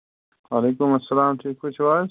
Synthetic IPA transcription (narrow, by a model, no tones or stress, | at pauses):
waːleːkʊmɐsːɐlaːmʈʰiːkkʊt͡ʃʰʋaː